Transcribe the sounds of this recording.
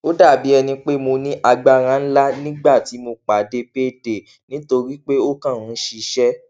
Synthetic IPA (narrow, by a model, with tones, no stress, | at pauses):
o˦da˦˨bi˨˦ɛ˧nĩ˧k͡pe˦mo˧nĩ˦ʔa˧ɡ͡ba˧ɾ̃ã˧n̩˦la˦nĩ˦ɡ͡ba˦˨ti˨˦mo˧k͡pa˨˦de˦pe˦de˨ | nĩ˨˦to˧ɾi˦k͡pe˦o˦kã˦˨ũ˨˦ʃi˧ʃɛ˦